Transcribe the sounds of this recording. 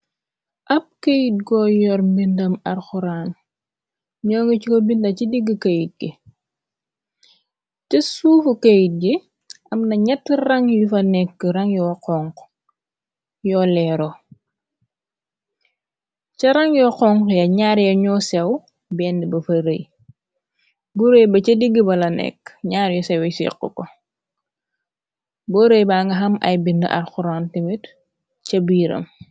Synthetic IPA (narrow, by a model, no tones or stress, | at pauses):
ʔɐp̚kejit̚ɡɔːjɔɾmbindɐmɐrxuɾaːn | ɲɔːŋɡɐt͡ʃikobindɐcidiɡːəkɐjit̚ɡi | tɐsuːfukɐjit̚ɡi | ɐmnɐɲɛtːirɐŋjufɐnɛkːəɾɐŋjɔqɔŋk | jɔːlɛːɾɔ | cɐɾɐŋjɔqɔŋkjɐɲaːɾjɐɲɔːsɛw | bɛːndibɐfɐɾəj | buɾejbɐt͡ʃɐdiɡːibɐlɐnɛ̰kːɲaːɾjɔsɛwɛsḭqːə̰kɔ | bɔɾejbaːŋɡɐɦɐmɐ̰jbində̰ʔɐ̰rxuɾantimit | cɐbiːɾɐ̰m